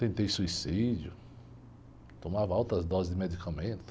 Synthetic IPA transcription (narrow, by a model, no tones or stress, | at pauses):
t̪ẽnt̪ejsuisid͡ʒʊ | t̪õmavɐawt̪ɾɐzd̪ɔzɪzd̪ɪmed̪ikɐmẽnt̪ʊ̥